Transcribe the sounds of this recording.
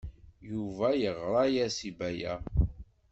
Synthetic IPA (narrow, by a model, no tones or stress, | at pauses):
juvæjəʁɾˤɑjæsibæjæ̰